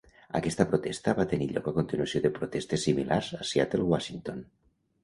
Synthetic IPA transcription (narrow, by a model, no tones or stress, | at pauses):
a̰kɛst̪apɾot̪ɛst̪aβat̪eniʎɔ̰kakont̪inuasioðepɾot̪ɛst̪esːimilaɾzasja̰t̪elˠwaʃint̪on